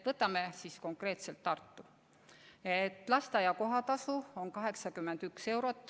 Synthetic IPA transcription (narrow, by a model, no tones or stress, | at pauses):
vɤt̪ːˑɑme̞sisko̞ŋkre̞ːt̪se̞lt̪ːɑrt̪ːu | et̪ːˑlɑst̪ɑjɑko̞ɦɑt̪ɑsuo̞nkɑɦe̞ksɑkymːend̪ykse̞wɾo̞t̪ːˑ